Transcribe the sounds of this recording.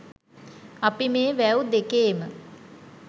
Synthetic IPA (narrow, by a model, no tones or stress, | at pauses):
apimeːʋæud̪ekeːmə